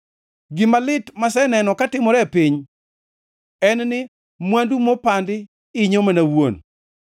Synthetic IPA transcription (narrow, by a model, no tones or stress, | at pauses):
ɡimalɪtmasɛnɛnɔkatɪmɔɾɛpiɲ | ɛnnɪ | mwandumopandɪ | ɪɲomanawo̰n